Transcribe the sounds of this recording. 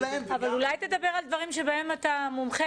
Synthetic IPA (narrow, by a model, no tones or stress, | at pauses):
avalulajt̪e̞d̪abe̞ʁald̪vɐʁimʃebae̞mat̪amumχe